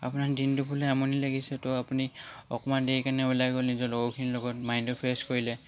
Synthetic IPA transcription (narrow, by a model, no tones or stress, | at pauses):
a̰punaɹdintupulɛamɔnilaɡisɛtɔapuniɔ̰kɔmandejkanɛulajɡɔlnizɔlɔɡɔkʰinilɔɡɔt̚majndɔpʰeskoɹilɛ